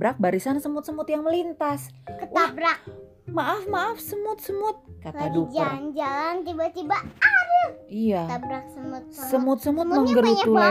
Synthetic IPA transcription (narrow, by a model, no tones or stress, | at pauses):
bɾak̚baɾisansəmʊt̪̚səmʊt̪jaŋməlint̪askətwabɾak | maʔafmaʔafsəmʊt̪̚səmʊt̪̚katadukd͡ʒʊrnd͡ʒalant̪ibat̪ibaadəijaabɾak̚səmʊt̪̚səmʊt̪̚səmʊt̪̚məŋɡəɾut̪ula